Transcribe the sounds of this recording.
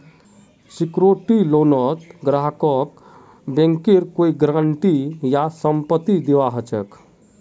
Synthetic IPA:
sikɾoʈilonɔt̪ɡɾaɦkɔk | bẽŋkeɾkoiɡɾãɳʈijasəmpət̪id̪iʋaɦət͡ɕə̰k

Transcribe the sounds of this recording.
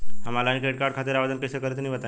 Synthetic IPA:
ɦəmalaːnikeʈ̚kaɾɖ̚kʰat̪iːɾaʋad̪ənkəsekəɾet̪niːʋət̪a

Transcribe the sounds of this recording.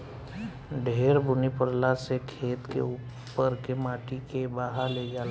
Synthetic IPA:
ɖʱeːɾbʊnipəɾlasekʰeːt̪kḛu | pəɾkemaːʈikebaːɦaled͡ʒaːl

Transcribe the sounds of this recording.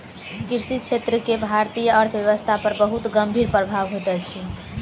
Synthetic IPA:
kiɾsit̪̚t͡ʃʰet̪ɾəkebʱaɾt̪ijəːɾt̪ʰbjəʋəst̪ʰapəɾbəɦut̪ɡəmbʱiɾpɾəbʱaʋɦot̪ɛt͡ʃʰi

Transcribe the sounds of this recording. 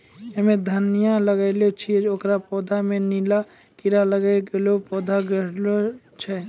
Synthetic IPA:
ɦɛmẽd̪ʱənijaləɡaɪlot͡ʃʰied͡ʒokɾapɔːd̪ʱamẽnila | kɪɾaləɡaɡelopɔːd̪ʱaɡəɾlo | t͡ʃʰɛ

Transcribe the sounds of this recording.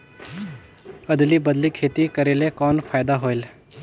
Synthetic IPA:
əd̪libəd̪likʰeːt̪ikəɾeːlekɔːnpʰaːjd̪aɦoːel

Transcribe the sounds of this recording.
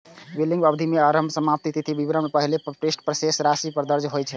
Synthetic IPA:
ʋiliŋɡbabd̪ʱimeaɾəmbʱsəmap̚t̪it̪it̪ʰibibɾəmepəɦilepɾesʈpɾəsesɾasipəɾd̪əɾd͡ʒɦojt͡ʃʰɛ

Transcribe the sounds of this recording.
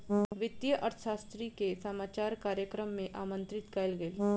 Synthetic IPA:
ʋɪt̪ːjəʔɐɾt̪ʰʃaːst̪ɾikesɐmaːt͡ʃaːɾkaːɾjəkɾəmːẽʔaːmə̃nt̪ɾɪt̪kɐlɡɐl

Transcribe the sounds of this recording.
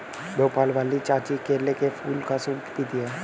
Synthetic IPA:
boːpaːlʋaːlit͡ʃaːt͡ʃikeːɾlekefʰuːlkasuːkʰt̪it̪iɦɛː

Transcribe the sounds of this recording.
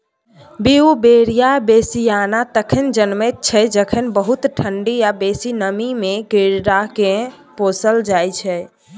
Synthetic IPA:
biubeɾijabesijanat̪əkʰənd͡ʒənmɛt̪̚t͡ʃʰɛd͡ʒəkʰənbəɦut̪ʈʰəɳɖiabesinəmimeɡeɾɾake | posəld͡ʒajt͡ʃʰɛ

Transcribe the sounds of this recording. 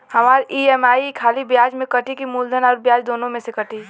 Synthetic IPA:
hɐmaːɾiɛmaːikʰaːlibjaːd͡ʒmẽkəʈikimuːld̪ʱənɔːɾbjaːd͡ʒd̪oːnõmẽsekəʈi

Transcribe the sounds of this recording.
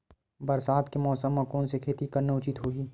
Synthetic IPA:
bɐɾsaːd̪kemɔːsəmːɐ̃kõnsekʰeːt̪ikɐɾneʊt͡ʃɪt̪ɦoːiː

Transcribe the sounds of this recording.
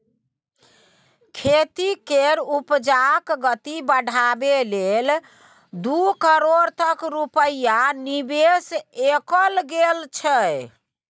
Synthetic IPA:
kʰet̪ikeɾupd͡ʒakɡət̪ibəɽʱabelel | d̪ukəɾoɾt̪əkɾupəjanibesekəlɡelt͡ʃʰə

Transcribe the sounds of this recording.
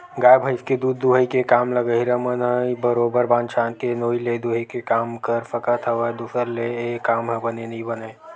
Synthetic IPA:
ɡaːjbʱəɪsked̪uːd̪ːuɦəikekaːmləɡəɦiɾamənɦə̃bəɾoːbəɾbãːnt͡ʃaːnkenoːiled̪uɦəikekaːmkəɾfəkət̪ʰɐʋəd̪uːsəɾleeːkːaːmɦə̃bɐnenɐɦĩbənəe

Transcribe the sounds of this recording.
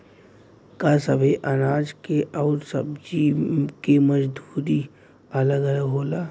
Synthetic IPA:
kasəbʱeʔɐnaːd͡ʒkeʔɔːɾsə̰bd͡ʒikeməd͡ʒd̪ʱuːɾi | ɐləɡələɡɦoːlaː

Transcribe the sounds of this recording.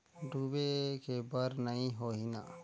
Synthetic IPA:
ɖʱubekebəɾnəĩɦoɦina̰

